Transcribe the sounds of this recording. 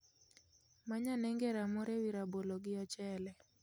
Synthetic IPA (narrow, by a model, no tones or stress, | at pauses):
maɲanɛŋɡɛɾamɔɾɛwiɾabolɔɡɪjɔt͡ʃɛlɛ